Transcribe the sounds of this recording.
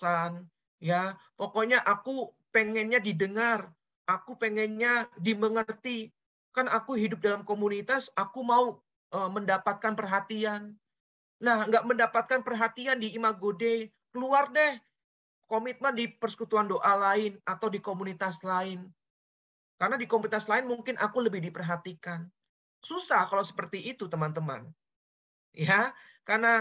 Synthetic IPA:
an | japokoɲaʔaku | peŋɛnɲadidəŋar | ʔakupeŋɛnɲadiməŋərt̪i | kanakuɦidʊp̚dalamkomunit̪asakumau | ʔəməndapat̪̚kanpərɦat̪ianː | ahŋɡaʔməndapat̪̚kanpərɦat̪iandiːmaɡode | kəluardɛh | komɪt̪̚mandipərsə̥kut̪uandoʔalaɪnat̪awdikomunit̪aslaɪn | kaɾənadikomunit̪aslaɪnmuŋkɪnʔakuləbɪhdipərɦat̪ikan | susahkalawsə̥pərt̪iʔːt̪ut̪əmant̪əma̰n | ja | karna

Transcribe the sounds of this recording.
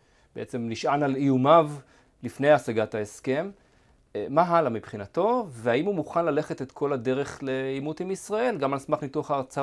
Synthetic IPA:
b̥eet͡se̞mliʃʔanalijumav | lifnejasaɡataeske̞mː | aɦalamipχinat̪o̞veaimhumuχanlale̞χe̞t̪et̪kʰo̞lade̞ʁe̞χleimutimisʁae̞lɡamalsmaχmituaχaʁt͡sa

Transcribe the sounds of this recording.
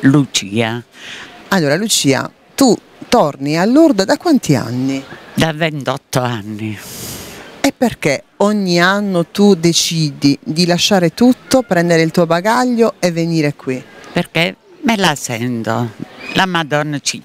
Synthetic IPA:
lut͡ʃiːa | alːoːɾalut͡ʃiːa̰ | t̪u | t̪ɔrnialːuɾd̪od̪akːwant̪ia̰nːid̪avɛnt̪ɔt̪ːoanːi | ɛpːerk̟eɔɲːianːot̪ud̪et͡ʃiːd̪id̪ilaʃːaːɾet̪ut̪ːopɾɛnd̪eɾeilt̪uːobaɡaʎːoɛvːeniːɾekʰːwipeɾke | mɛlasɛnt̪olamad̪ɔnːt͡ʃi

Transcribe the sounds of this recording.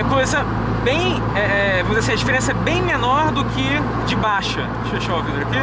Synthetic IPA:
ɛkojzɐ | bẽj̃ | ɛvɐ̃mzɐsĩɐd͡ʒifeɾẽsɐɛbẽj̃menɔɾd̪ʊkʰʲɪ | d͡ʒɪbaʃɐ | ʃʃovĩd̪oɾɐki

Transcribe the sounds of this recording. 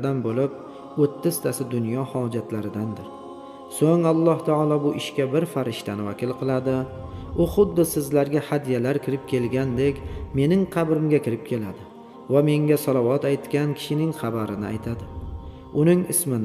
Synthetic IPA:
d̪anbolɪp̚ | ot̪ʰːɪst̪ʰasɪd̪ʊnjɒhɒd͡ʒat̪ʰlaɾɪd̪and̪ɪɾ | soŋalˠːɒht̪ʰaɒlˠɒbʊʔɪʃkʲabɪɾfaɾɪʃt̪ʰanɪva̰kʲʰɪlˠqʰɨlˠad̪ɪʊχʊd̪ːɪsɪzlaɾɡʲahad̪ijalaɾkʲʰɪɾɪp̚kʲʰe̞lɡʲand̪e̞kʲme̞nɪŋqʰɑbɾɪmɡʲakʲɪɾɪp̚kʲʰe̞lad̪ɪ | vame̞ŋɡʲasɒlˠavɒt̪ajt̪kʲankʲʰɪ̥ʃɪnɪŋχɑbaɾɪnɪa̰jt̪ʰad̪ɪ | ʊnɪŋɪsmɪn

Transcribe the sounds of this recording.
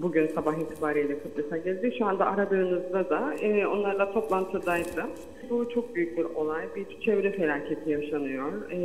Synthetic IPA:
buɟynsabaxiːt̪ʰibaːɾijlʲɛkʰut̪lesaɟɛlʲd̪iʃuand̪aʔaɾabɯɯnɯzd̪ad̪aɛːo̞nlˠaɾlˠat̪ʰo̞plˠant̪ʰɯd̪ajd̪ɯ | but͡ʃʰo̞k̚byjyc̚ʲbiɾo̞lˠajbit͡ʃʰevɾɛfe̞lʲaːcʰe̞t̪ʰijaʃanɯjo̞ɾ

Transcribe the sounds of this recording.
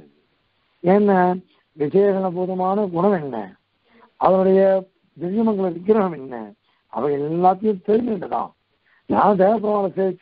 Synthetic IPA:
ɛnːɐ | ʋɪd͡ʒɐjɐɣɐɭɐpuːðɐmaːnɐɡʊɳɐmɛnːɐ̰ | ɐðɐnʊɽɐjɐ | d̪ɪɾjɐmɐŋɡɐɭʋɪkːɪɾɐɣɐmɛnːɐ̰ | ɐ̰ʋɐɐɛlːaːt̪ːɐjɯ̃mt̪ɛɾɪʋeɳɖɐt̪ːã̰ː | nãːd̪eːʋɐpːɪɾɐmaːɾɐseːʋɪt͡ʃː

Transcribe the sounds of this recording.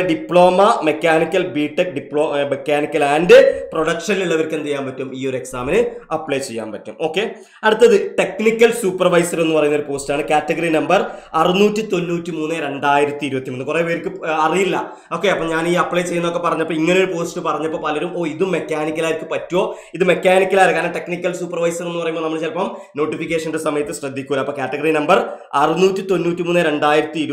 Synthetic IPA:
ɖipɭo̞ːmɐme̞kʲːaːnikʲːɐlbiːʈːekɖipːɭoːmekːaːnikʲːɐlaːndɨpro̞ɽɐkʂɐniliɭːɐʋɐɾkent̪ejːaːmpɐtːumiːo̞ɾe̞ksaːminɨɐpɭejt͡ɕe̞jːa̰ːmpɐtːṵmo̞ːkːe̞ | ɐɽut̪ːɐðɨʈe̞knikʲːɐlsuːpːɐrʋɐjsɐre̞nːupɐrɐjunɐoɾupo̞ːstaːɳɨkaːtːɐɡɐrinɐmbɐrɐrinuːtːit̪o̞nːuːtːimuːnːeɾe̞ɳɖaːjiɾɐt̪ːiɾubɐt̪ːimonːɨkureʋeɾikːɨɐrijilːɐ | o̞ːkːeɐpːoːɲaːniːɐpːɭɐjt͡ɕe̞jːunːo̞kːepɐrɐɲːɐpːoːiŋːɐnejoɽupo̞ːsʈːɨpɐrɐɲːɐpːo̞ːpɐlɐɾumo̞ːiðumːe̞kʲːaːnikʲːɐlaːjiɾikːɨpɐtːuwo̞ː | iðɨme̞kʲːaːnikʲːɐlaːjɾɐkːaːnɐʈe̞knikʲːɐlsuːpːɐrʋɐjsɐre̞nːɨpɐrɐjumbonɐmɐɭet͡ɕelpɐmno̞ːʈːifik̬ʲːeːʂɐnde̞sɐmɐjɐt̪ːɨɕrɐd̪ʱːikʲːuːɐlɐmɐpoːkʲaːtːɐɡɐrinɐmbɐr | ɐrinuːtːit̪o̞nːuːtːimuːnːeɾe̞ɳɖaːjiɾɐt̪ːiiɾ

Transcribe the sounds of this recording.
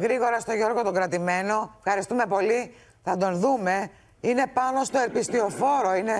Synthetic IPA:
ɣɾiɣo̞ɾɐst̪o̞ʝo̞ɾɣo̞t̪oɡɾɐt̪ime̞no̞fxɐɾist̪ume̞po̞li | θɐd̪o̞nðume̞ | ine̞pɐno̞st̪o̞e̞ɾpist̪io̞fo̞ɾo̞ine̞

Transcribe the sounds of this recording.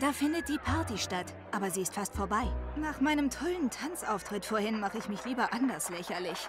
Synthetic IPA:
d̥aːfɪndət̚d̥iːpʰaɐtiʃtat | ʔʔaːbɐziːɪstfastfoːɐbaɪnaːχmaɪnəmtʰɔləntʰant͡sʔaʊftʁ̥ɪtfoːɐhɪnmaχəɪçmɪçliːbɐʔandɐslɛçɐlɪç

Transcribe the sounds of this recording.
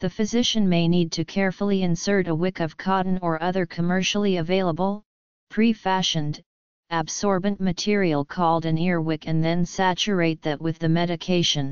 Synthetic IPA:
ðɨfɨzɪʃɨ̃nmeɪnid̚tʰɨkʰɛɹfl̩ˠiɨ̃nsɜ˞ɾəwɪkʌv̥kʰɑʔn̩ə˞ʔʌðə˞kʰɨmɜ˞ʃl̩ˠiɨveɪlˠəbl̩ˠ | pʰɹ̥ifæʃɨ̃nd | æbsɔɹbɨ̃nmɨtʰɪɹil̩ˠkʰɔlˠdɨ̃nɪɹwɪkɨ̃nðɨ̃nsæt͡ʃə˞eɪt̪̚ðɨʔ̚wɨðɨmɛɾɨkʰeɪʃɨ̃n

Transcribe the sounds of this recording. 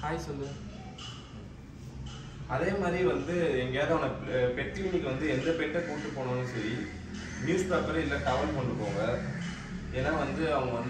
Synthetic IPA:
kaːjɐsɔlːɯ | ɐðeːmaːd̪ɾiʋɐnd̪ɯɛŋɡɐjaːɾɐ̃ɐnɐpɛʈɾiuːnɪkːɯʋɐnd̪ɯɛnd̪ɐpɛʈːɐpoːʈːɯpːoːɳʊ̃nːɯsɐɾi | mjuːspaːpɐɾɐɪlːɐːʈɐʋɐlpɔɳɖɯpːoːŋɡɐ | eːnːaːʋɐnd̪ɯɐʋɐŋɡɐɐn

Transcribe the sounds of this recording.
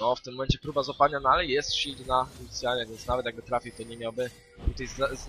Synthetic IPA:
nɔft̪ɪmːɔmɛnt͡ɕɛpɾubazɔpad̪ɲanɔalɛjɛst̪ɕid͡ʑnauit̪sʲjalɲɛvʲjɛnt̪snavɛt̪jaɡ̚bɘt̪ɾafʲiwt̪ɔɲɛmʲawbɘ | t̪ut̪ajza

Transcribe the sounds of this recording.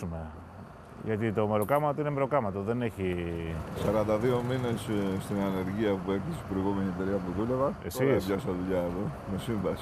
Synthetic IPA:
ume̞ | ʝɐt̪it̪o̞me̞ɾo̞kɐmɐt̪o̞inemeɾo̞kɐmɐt̪o̞ðe̞ne̞çisɐɾɐnd̪ɐðio̞mine̞sst̪inɐne̞ɾʝiɐpuekθisi̥bɾojɣume̞niet̪e̞ɾiɐpuðulevɐesiespʝɐsɐðuʎɐeðo | me̞siɱvɐsi̥

